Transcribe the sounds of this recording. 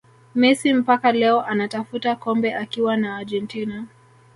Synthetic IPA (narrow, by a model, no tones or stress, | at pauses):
mɛsim̩pakalɛɔʔanatafutakɔmbɛʔakiwanaːd͡ʒɛntina